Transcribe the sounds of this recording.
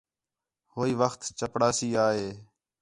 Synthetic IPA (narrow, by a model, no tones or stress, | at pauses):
hoːiːʋəxt̪t͡ʃəpɽaːsiːaːɦeː